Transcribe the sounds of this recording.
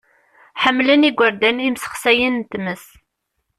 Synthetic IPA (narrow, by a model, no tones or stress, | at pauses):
ħəmːləniɡʷəɾd̪ænimsə̥χsæjənt̪məs